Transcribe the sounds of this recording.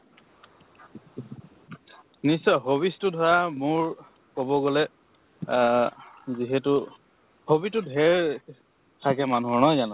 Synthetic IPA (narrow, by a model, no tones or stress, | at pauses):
nisɔɦobistʊdʱɔɹamʊɹ | kobɔɡolɛ | ziɦɛtʊ | hobitʊdʱɦɛɹ | tʰakɛmanuɔnɔjzanɔ